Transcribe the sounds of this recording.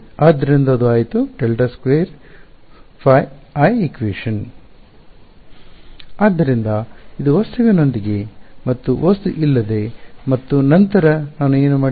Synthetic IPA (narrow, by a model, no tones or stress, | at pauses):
aːd̪ːɐɾind̪ɐɐd̪uaːjit̪uɖelʈɐskʋeːɾ | pʰɐjɐjikʋiːʂɐn | aːd̪ːɐɾind̪ɐid̪uʋɐst̪uʋino̞nd̪iɡe̞mɐt̪ːuʋɐst̪uʔilːɐd̪e̞mɐt̪ːunɐnt̪ɐɾɐnaːnueːnumaː